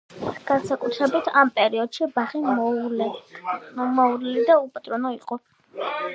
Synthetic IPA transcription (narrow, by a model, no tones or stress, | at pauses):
ɡ̥ansakʼut̪ʰɾɛbit̪ʰampʼɛɾiɔd̪̥ʃibaʁi | mɔuɾɛlid̪aupʼat̪ʼɾɔnɔiqʼɔ